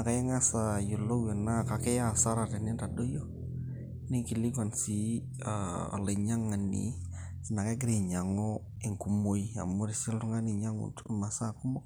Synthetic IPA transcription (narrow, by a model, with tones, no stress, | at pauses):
na˨ka˨je˦ŋa˦sa˨jo˨lo˦we˨na˦ka˨ke˦ja˦˨sa˦ɾa˨te˨ni˦nda˨do˦jo˦ | ni˦ki˨li˦ka˨nsi˦ | a̰˨le˨ɲa˦ŋa˨nːḭ˨ | na˨ka˦ɡɾe˨ɲa˨ŋo˦ | e˨ŋku˨mo˦ia̰˨mo˦ɾi˨si˦ltu˦ŋa˦ni˨ɲa˦ŋṵ˨tma˨sa˦ku˦mo˦